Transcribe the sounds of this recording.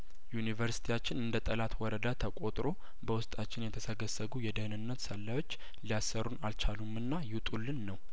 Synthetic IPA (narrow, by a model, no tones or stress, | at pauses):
junivəɾsi̥t̪ʰijat͡ʃːɪnɨnd̪ət̪ʼəlat̪wɔɾəd̪at̪ʰəkʼo̞t̪ʼɾo̞ | bəwʊst̪ʼat͡ʃːɪnjɛt̪ʰəsəɡəsːəɡujɛd̪əhnɨnːət̪səlːajo̞t͡ʃː | lijasːəɾunalt͡ʃʰalumɨnːajɪt̪ʼulːɨnːəw